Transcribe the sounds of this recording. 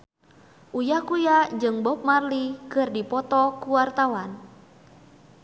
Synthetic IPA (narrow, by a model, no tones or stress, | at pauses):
ʔujahkujad͡ʒɨŋbɔp̚marlikɨrdipɔt̪ɔkuwart̪awan